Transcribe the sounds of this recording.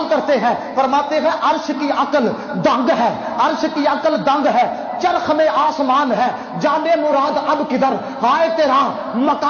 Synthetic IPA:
lkəɾt̪eːɦɛː | pəɾmaːt̪eːɦɛ̃ːʔəɾʃkiːʔəkəl | d̪ə̃ŋɡɦɛː | əɾʃkiːəkəld̪əŋɡɦɛː | t͡ʃəɾkʰmẽːʔaːsmaːnɦɛː | d͡ʒaːneːmʊɾaːd̪əbkɪd̪əɾ | haːeːt̪eːɾaː | məka

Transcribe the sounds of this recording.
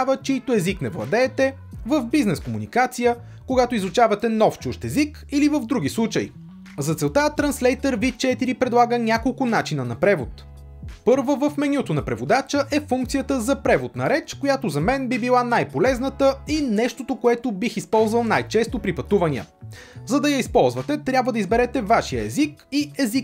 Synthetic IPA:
vət͡ʃɛit̪oɛziknɛvlˠɐ̰d̪ɛːt̪ɛ | vəvbiznɛskomunikat̪sijə | koɡat̪oizut͡ʃavɐt̪ɛnɔft͡ʃuʃt̪ɛzik | ilivəvd̪ɾuɡʲislˠut͡ʃəj | zɐt̪sɛlˠt̪at̪ɾɐnslɛjt̪əɾvit͡ʃɛt̪iɾipɾɛd̪lˠaɡənʲakolˠkʊnat͡ʃinənɐpɾɛvot̪ | pɤɾvəvəfmɛnʲut̪onɐpɾɛvod̪at͡ʃəʔɛfuŋkt̪sijət̪əzɐpɾɛvod̪nɐɾɛt͡ʃkojat̪ozɐmɛnbibilˠanajpolɛznət̪əinɛʃt̪ot̪okoɛt̪obixispɔlˠzvɐlˠnajt͡ʃɛst̪opɾipɐt̪uvɐniə̰zɐd̪ɐjɐispɔlˠzvət̪ɛt̪ɾʲabvəd̪ɐizbɛɾɛt̪ɛvaʃijəɛzikiɛzik

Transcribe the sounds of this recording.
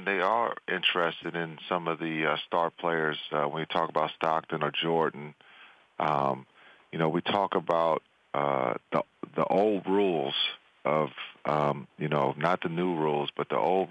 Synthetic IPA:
nðeɪə˞ɪ̃nt͡ʃɹ̥ɛstɨɾɪ̃nsʌ̃mʌvðɨʌstɑɹ̚pʰl̥eɪə˞z̥ʌwə̃njɨtʰɔkəbaʊtstɑk̚tɨ̃nə˞d͡ʒɔɹdⁿn̩ | ʔʌ̃m | jɨñoʊwitʰɔkəbaʊt̪̚ | ʔʌ̰ðḭ | ðḭʔoʊlˠd̚ɹulˠz̥ | ʌv̥ʔʌ̃mjɨnoʊnət̪̚ðɨnuɹulˠzb̥ʌt̪̚ðḭʔo̰ʊlˠd̚

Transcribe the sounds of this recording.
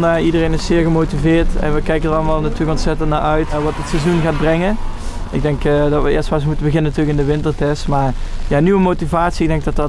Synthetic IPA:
nidərejnɪssɪːɹɣəmotivɪːɹtɛ̰nʋəkɛjkəndərɑlˠəmaːlˠnatyːləkonsɛtəntnaːɹʔœɥtʋɑtətsɛzunɣaːd̚brɛŋəɪɡ̚dɛŋkdɑtʋəɪ̰ːstfasmutəbəɣɪnənatyːləkɪndəʋɪntərtɛstmaːɹjaːnyʋəmotivaːtsiɪɡdɛŋɡ̚dɑtɑt

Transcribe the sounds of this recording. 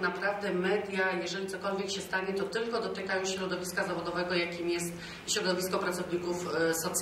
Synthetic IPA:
napɾavd̪ɛmɛd̪ʲjajɛʐɛlʲit̪sɔkɔlvʲjɛkɕɛst̪aɲɛt̪ɔt̪ɘlkɔd̪ɔt̪ɘkajɔ̃w̃ɕɾɔd̪ɔvʲiskazavɔd̪ɔvɛɡɔjakʲimjɛst̪ | ɕɾɔd̪ɔvʲiskɔpɾat̪sɔvɲikufsɔt̪s

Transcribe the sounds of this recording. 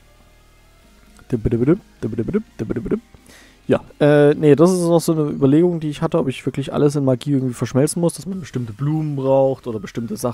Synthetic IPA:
d̥əbɪɾəbɾəd̥əbɪɾəbɪɾəd̥əbɾbɪɾə | ja̰ːʔɛːnədasɪstnɔχz̥oːnəʔy̰ːbɐleːɡʊŋdiːɪçhatəɔpɪçv̥ɪɐklɪçʔa̰ləs̬ɪnmaɐɡiːʔɪɐɡŋ̩tv̥iːfɛɐʃmɛlt͡sn̩mʊsd̥asmanbəʃtɪmtəbluːmənbʁaʊxtʔoːdɐbəʃtɪmtəza

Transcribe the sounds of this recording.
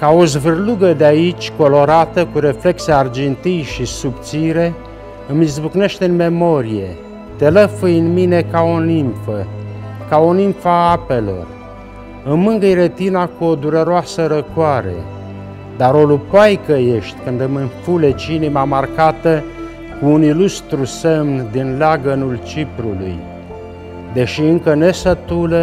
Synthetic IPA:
kaozvɨrluɡəd̪eait͡ʃʲko̞lo̞ɾat̪əkuɾe̞fle̞kseard͡ʒent̪ijʃisupt̪siɾe̞ | ɨmizbukne̞ʃt̪eɨnme̞mo̞ɾije̞ | t̪e̞ləfɨjɨnmine̞kao̞nimpfəkao̞nimfaape̞lo̞̰r | ɨmɨŋɡəiɾet̪inakuo̞d̪uɾe̞ɾoasəɾəkwaɾe̞̰ | d̪aɾo̞lupajkəje̞ʃt̪ʲkɨnd̪ɨmɨnfule̞t͡ʃinimamarkat̪ə | kuːnilust̪ɾusemnd̪inleaɡənult͡ʃipɾulṵj | d̪e̞ʃiɨŋkəne̞sət̪ulə

